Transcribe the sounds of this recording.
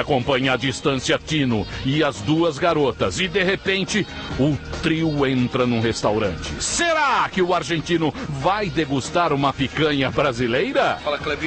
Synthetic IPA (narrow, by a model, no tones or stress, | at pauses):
akõmpɐ̃ɲɐad͡ʒist̪ɐ̃siɐt̪ĩnʊɪɐzd̪uɐzɡaɾot̪ɐzɪd̪eɦepẽnt͡ʃɪ | ʊt̪ɾiwẽnt̪ɾɐnũhest̪awɾɐ̃nt͡ʃɪseɾakɪʊaɾʒẽnt͡ʃĩnʊvajd̪eɡust̪aɾũmɐfikɐ̃ɲɐbɾazilejɾɐfalɐklevi